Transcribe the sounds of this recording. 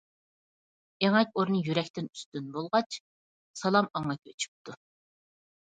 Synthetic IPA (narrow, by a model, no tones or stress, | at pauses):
eŋɛkʲoɾnɨjyɾɛkʲt̪ɪny̥st̪ynbolˠʁɑt͡ʃ | sɑlˠɑmɑŋɑkʲʰøt͡ʃʰy̥p̚t̪ʰu